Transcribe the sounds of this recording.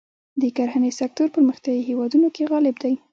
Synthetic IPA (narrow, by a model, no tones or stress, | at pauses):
d̪əkaɾhanesak̚t̪oɾpəɾməxt̪jɑjihewɑd̪unokeɣɑlɪbd̪aj